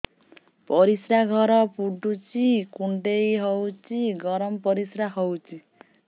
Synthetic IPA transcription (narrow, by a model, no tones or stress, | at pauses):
pɔɾisɾaɡʱʌɾʌpuɖut͡sikuɳʈejɦʌwt͡siɡʌɾʌmpʌɾisɾaɦɔwt͡si